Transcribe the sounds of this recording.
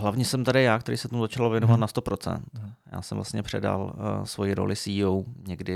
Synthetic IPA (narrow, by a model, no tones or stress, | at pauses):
ɦlavɲiːsɛmt̪adɪjaːkt̪ɛɾḭːsɛft̪omuzat͡ʃalovjɛnovat̪̚nast̪o̞pɾo̞t͡sɛ̰nt̪ja̰ːsɛmvla̰st̪ɲɛpr̝̥ɛda̰lsvo̞jiɾo̰lɪsiːowɲɛɡdɪ